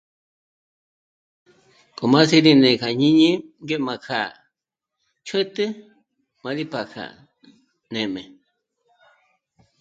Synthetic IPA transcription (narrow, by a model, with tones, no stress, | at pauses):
kʼo˨mã˦si˦ɾi˧nẽ˨kʰa˨ɲĩ˦ɲĩ˦ŋɡe˦mã˨kʰa˨ | t͡ʃʰwe˦t̪ɨ˦ | mã˧ɾi˦pa˨kʰa̰˨ | nẽ˨mẽ˨